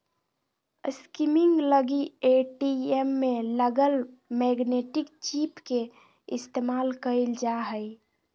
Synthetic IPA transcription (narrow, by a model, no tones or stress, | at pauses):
skimiŋɡləɡieʈiemːeləɡəlmɛɡneʈɪkt͡ʃipke | ɪst̪emaːlkəld͡ʒaɦəj